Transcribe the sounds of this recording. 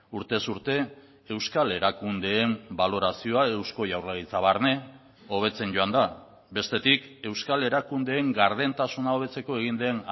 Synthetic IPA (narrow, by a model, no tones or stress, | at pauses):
uɾt̪e̞suɾt̪e̞ | ewskale̞ɾakund̪e̞ːmbalo̞ɾasio̞ae̞wsko̞jawrlaɣit͡saβ̞aɾne̞ | o̞β̞e̞t͡se̞nɟo̞and̪a | be̞st̪e̞t̪ike̞wskale̞ɾakund̪e̞ːŋɡaɾð̞e̞nt̪asunao̞βe̞t͡se̞ko̞e̞ɣ̞ind̪e̞n